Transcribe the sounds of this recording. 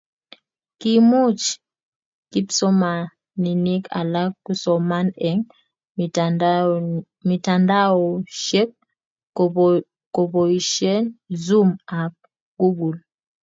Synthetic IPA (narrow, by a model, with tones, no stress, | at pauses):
ki˨mu˦t͡ʃ | ki˦psɔ˦ma˨ | ni˨ni˦kʰa̰˨la˦ku˦sɔ˨ma˦nɛ˨ŋ | mi˨ta˨nda˦ɔ˨ʃɛ˦k̚ | kɔ˨pɔ˨i˨ʃɛ˦nzu˦ma˨p̚ | ɡ̥u˦ɡu˨l